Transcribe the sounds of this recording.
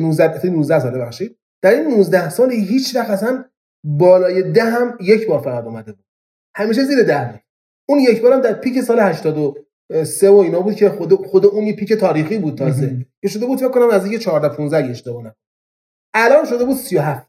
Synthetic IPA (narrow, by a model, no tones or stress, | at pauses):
nuzd̪æt̪ʰːjnuːzd̪æhsɒːlbe̞bæχʃiːd̪̚ | d̪̥æɾiːnːuːzd̪æhsɒːliɦiːt͡ʃʰvæxæsæn | bɒːlɒːje̞d̪æɦæmjecʰbɒːɾfæɣæd̪ɔːmæd̪ebuːd̪̥̚ | hæmiːʃ̬eziːɾed̪æhmi | unjecʰbɒːɾæmd̪æɾpʰiːce̞sɒːlehæʃt̪ɒːd̪o | sevoiːnɒːbuːd̪̚cʰexod̪xod̪euːnjepʰiːke̞t̪ʰɒːɾiːxiːbuːd̪̚t̪ʰɒːzecʰeʃ̬o̞d̪e̞buːd̪fekːonæmæziŋcʰet͡ʃʰɒːɾd̪æpʰũnzd̪æhjeʃnekoːnæm | ʔælɒːnʃo̞d̪e̞buːd̪̥sijoɦæft̪